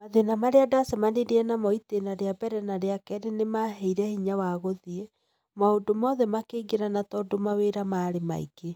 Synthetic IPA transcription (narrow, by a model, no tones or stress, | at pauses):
maðenamaɾeadasɛmaneɾeɛnamɔitenaɾeabɛɾɛnaɾeakɛɾenemaɦɛiɾɛhiɲawaɣoðie | maodomɔðɛmakeɡeɾanatɔdomaweɾamaːɾema̰ḭɡe